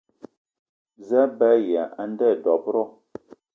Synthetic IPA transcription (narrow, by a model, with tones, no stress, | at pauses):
za˦ba˦ja˨ʔa˦n˦dɛ˦˨dɔ˨pɾɔ˦